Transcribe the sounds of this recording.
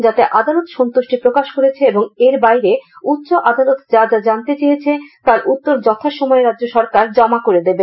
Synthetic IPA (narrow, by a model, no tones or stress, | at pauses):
d͡ʑat̪eʔad̪alot̪ʃont̪oʃʈipɾokaʃkoɾet͡ɕʰeeboŋeɾbajɾeut̪ːɕoʔad̪alot̪d͡ʑad͡ʑad͡ʑant̪et͡ɕejet͡ɕʰet̪aɾʔut̪ːoɾd͡ʑɔt̪ʰaʃɔmɔeɾadːd͡ʑoʃɔɾkaɾd͡ʑɔmakoɾed̪ebe